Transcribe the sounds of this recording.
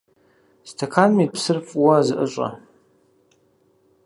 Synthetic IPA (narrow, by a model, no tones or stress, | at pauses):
stʰɐkʰaːnmipsɨrfʼwɐzɨʔɨɕʷʼɐ̰